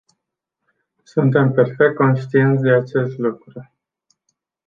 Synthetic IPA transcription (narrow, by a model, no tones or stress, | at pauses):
sunt̪e̞mpe̞rfek̚t̪̚ko̞nʃt̪ient̪sʲd̪e̞at͡ʃe̞st̪lukɾu